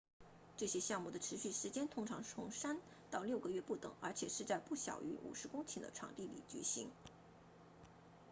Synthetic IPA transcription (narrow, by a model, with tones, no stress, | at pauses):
ʈ͡ʂɤ˥˩ɕjɛ˥ɕjɑ˥˧ŋmu˥˩d̪ə˩ʈ͡ʂʰɻ̩˧˥ɕy˥˩ʂɻ̩˧˥t͡ɕjɛ˥nt̪ʰʊ˥ŋʈ͡ʂʰɑ˧˥ŋʈ͡ʂʰʊ˧˥ŋʂa˥n | t̪ɑ˥˧ʊljo˥˩ʊɡə˩ɥɛ˥˧pu˥˩t̪ɤ̰˨˩˦ŋə˞˧˥t͡ɕʰjɛ˨˩ʂɻ̩˥˧t͡sa˥˧ɪpu˥˩ɕjɑ̰˨˩ʊʔy̰˧˥ʔṵ˨˩ʂɻ̩˧˥kʊ˥ŋt͡ɕʰi˨˩nd̪ə̰˦ʈ͡ʂʰɑ̰˨˩ŋt̪i˥˩lḭ˨˩t͡ɕɛ̰˧˥ɕi˧˥ŋ